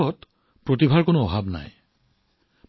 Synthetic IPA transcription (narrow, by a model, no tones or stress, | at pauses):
ɔt | pɹotibʱaɹkʊnʊɔbʱabna̰j